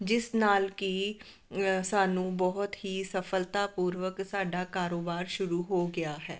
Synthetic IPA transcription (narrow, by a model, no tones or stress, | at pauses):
d͡ʒɪsnaːlki | saːnũːbɔɦʊt̪ɦiːsəfʰəlt̪aːpuːɾʋəksaːɖaːkaːɾoːbaːɾʃʊɾuɦoːɡɪjaːɦɛ̰ː